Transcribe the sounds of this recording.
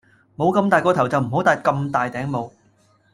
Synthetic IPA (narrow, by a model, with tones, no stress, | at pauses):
mo˨˧wkɐ˧mt̪aː˨jkɔː˧t̪ʰwt͡sɐ˨wm̩˨˩ɦo˨˥wt̪aː˨˧jkɐ˧mt̪aː˨jt̪ɛː˨˥ŋmo˨˧w